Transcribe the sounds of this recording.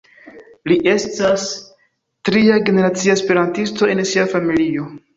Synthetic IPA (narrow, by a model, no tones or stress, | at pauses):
liʔe̞stas | tɾiaɡe̞ne̞ɾat͡siaespeɾantisto̞e̞nsiafamilio̞